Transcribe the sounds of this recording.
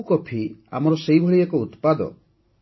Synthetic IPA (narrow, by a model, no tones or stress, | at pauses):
kɔpʰia̰mɔɾɔsejbʱɔɭiakɔut̪pad̪ɔ̰